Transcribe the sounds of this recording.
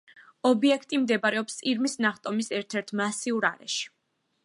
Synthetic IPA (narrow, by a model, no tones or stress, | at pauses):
ɔbiɛkʰt̪ʼimd̪ɛbaɾɛɔpsʼiɾmisnaχt̪ʼɔmisɛɾt̪ʰɛɾt̪ʰmasiuɾa̰ɾɛ̰ʃi̥